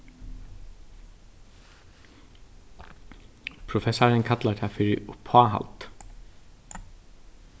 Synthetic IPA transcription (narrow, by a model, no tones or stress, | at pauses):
pʰɾʊfɛsaɹɪnkʰat̪lat̪ʰafɪɾɪʊpʰːaːɦa̰lt̪